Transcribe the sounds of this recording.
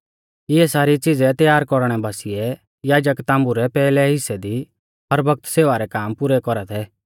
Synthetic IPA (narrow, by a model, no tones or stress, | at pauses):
ɪɛsaːɾit͡sɪd͡zɛt̪jaːɾkɔɾɽ̃ɛbaːsɪjɛ | jaːd͡ʒəkt̪ãːmbuɾɛpɛːlɛɦɪsɛd̪i | ɦɐɾbʱɐk̚t̪seːʋaɾɛkaːmpʊɾɛkɔɾat̪ʰɛː